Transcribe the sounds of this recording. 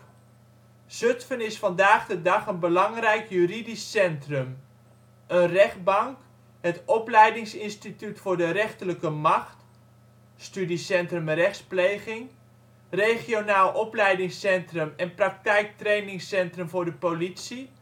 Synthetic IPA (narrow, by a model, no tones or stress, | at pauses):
z̥ɵtfənɪsfɑndaːχdədɑχənbəlɑŋrɛjkjyridisːɛntrəm | ʔənrɛχd̚bɑŋk | ɦətɔplɛjdɪŋsɪnstitytfʊːɹdəɾɛχtələkəmɑχt | stydisɛntrəmrɛχsplejχɪŋ | rejχionaːlˠʔɔplɛjdɪŋsɛntrəmɛnprɑk̚tɛjk̚trejnɪŋsɛntrəmvʊːɹdəpolitsi